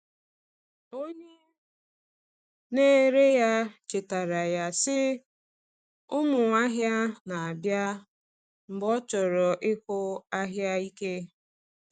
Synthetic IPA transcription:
o˦ɲe˦ | ne˦˨ɾe˦ja˦t͡ʃe˨ta˨ɾa˨ja˦sɪ˦ | ʊ˦mʊ˨a˦ɦja˦na˨a˨bja˦ | m̩˨bɔ˦t͡ʃɔ˨ɾɔ˨ʔɪ˦kʊ˦a˦ɦja˦i˦ke˦

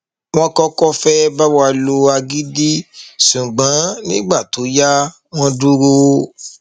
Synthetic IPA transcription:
w̃ɔ̃˦kɔ˦kɔ˦fɛ˦ba˦wa˧lo˧a˧ɡi˦di˦ʃũ˨ɡ͡bã˨˦nĩ˦ɡ͡ba˦˨to˨˦ja˦ | w̃ɔ̃˦du˦ɾo˧

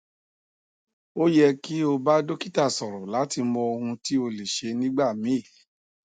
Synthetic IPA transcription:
o˦jɛ˧ki˦o˧ba˦do˦ki˦˨ta˦˨sɔ˨ɾɔ˨la˨˦ti˧mɔ˧o˧hũ˧ti˦o˧le˨ʃe˧nĩ˦ɡ͡ba˦˨mĩ˨˦˨

